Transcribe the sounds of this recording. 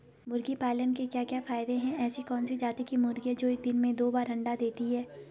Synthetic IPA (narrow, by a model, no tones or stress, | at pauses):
mʊɾɡipaːlənkekjaːkjaːfaːɪd̪eɦɛ̃ɛːsikɔːnsid͡ʒaːt̪ikimʊɾɡiɛd͡ʒoːeɪːk̚d̪ɪnmẽd̪oːbaːɾɦɐ̃ɳɖad̪eːt̪iɦɛː